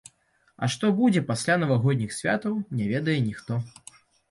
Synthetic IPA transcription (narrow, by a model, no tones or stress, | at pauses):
ɐ̰ʂt̪ɔbud͡zʲɛpasʲlʲanɐvaɣɔd̪ʲnʲixsʲvʲa̰t̪ɐwnʲɛvʲɛd̪ɐjɛnʲixt̪ɔ